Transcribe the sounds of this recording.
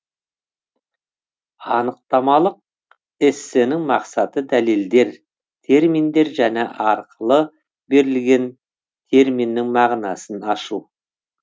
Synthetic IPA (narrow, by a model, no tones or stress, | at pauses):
ɑnəq̚t̪ɑmɑlˠəq̚ | ɪsːɪnɪŋmɑqsɑt̪əd̪æle̞ld̪e̞ɾ | t̪ʰe̞ɾmind̪e̞ɾʒæne̞ʔɑɾqəlˠə | be̞ɾɪlɡʲe̞n | t̪ʰe̞ɾminːɪŋmɑʁnɑsənɑʃu